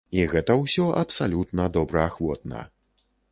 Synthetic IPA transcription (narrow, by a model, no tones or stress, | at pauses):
iɣɛt̪ɐwsʲɔʔɐpsalʲut̪nɐd̪ɔbɾɐaxvɔt̪̚nɐ̰